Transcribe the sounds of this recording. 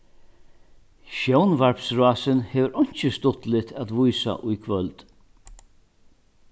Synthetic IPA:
ʃɔwnvaɹpsɹaːsɪnhɛːʋəɾɔɲ̥t͡ʃɪst̪ʊt̪lɪt̪ʰæt̪vʊjsa̰ʔʊjkʰvœlt̪

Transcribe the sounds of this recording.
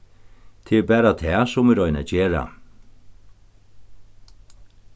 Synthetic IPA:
t̪ʰɪɛbæːɾat̪ʰɛːsʊmɛɾɔjna̰d͡ʒeːɾa̰

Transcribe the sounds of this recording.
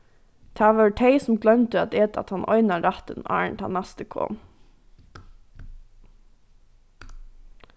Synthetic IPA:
t̪ʰɑːʋəɹʈʰeɪsɔmɡlœnt̪əɑt̪eːt̪ɑ̰t̪hɑnʔɔ̰ʏnɑɾɑt̪ənɑ̰ːɹɳt̪hɑ̰nːæst̪əkʰo̰ːn

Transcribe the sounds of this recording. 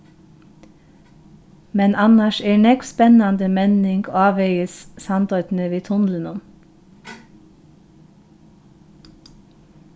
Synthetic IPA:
mɛnʔɑnɑʃeːɳɛkspɛnɑnd̪əmɛnɪŋɡoɑːʋœɪəssɑnd̪ɔt̪n̩əʋiːt̪ʰʊnlənʊm

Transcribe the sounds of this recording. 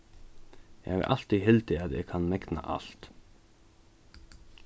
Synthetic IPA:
jɛ̰ɪ̰ʔɑlt̪ihɪlt̪ɪɑt̪ɛ̰ːkʰɑnmɛknɑ̰ʔɑ̰ɬt̪

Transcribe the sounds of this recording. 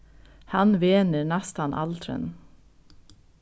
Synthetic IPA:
hɑnʋeːnəɾnæst̪ɑnʔɑ̰lt̪ʰɾə̰n

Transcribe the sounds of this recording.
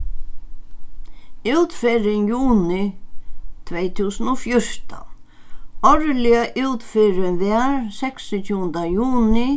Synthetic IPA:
ɪwt̪feɾɪnjuːnɪ | t̪ʰvɛjt̪ʰuːsənɔfjʊɹ̥t̪a̰ | ɔɹlɪaʔuwt̪fɪɾɪʋɛaɹsɛksɪt͡ʃʰuːənd̪ajuːnɪ

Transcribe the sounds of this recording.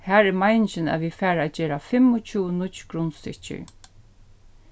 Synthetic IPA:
hæːɹɛːmajnt͡ʃɪnæ̰ʋifæːɾæːd͡ʒeːɾafɪmʊt͡ʃʰuːnʊt̪t͡ʃkʰɾʊnst̪ɪ̰t͡ʃɪ̰ɹ

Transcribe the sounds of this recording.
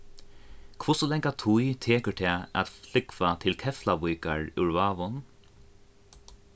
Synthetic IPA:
kʰvʊsɔlɛŋkat̪ʰʊjt̪ʰeːkəɹt̪ʰɛːa̰t̪flɪkvat̪ʰɪlkʰɛflaʋujkaɹʉɹvaːʋʊn

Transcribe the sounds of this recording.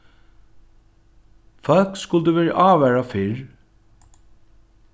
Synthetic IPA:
fœlkskʊlt̪əʋɛːɹa̰ʔaːʋæːɹafɪɹ

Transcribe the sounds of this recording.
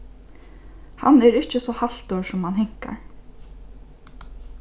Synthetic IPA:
hanɛɾɪht͡ʃɪsɔhal̥t̪ɔɹsʊmhanɦɪŋ̥ka̰ɹ

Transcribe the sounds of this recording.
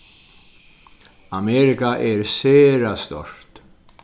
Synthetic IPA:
amɛɾɪkaʔɛɾseːɾast̪ɔ̰r̥t̪

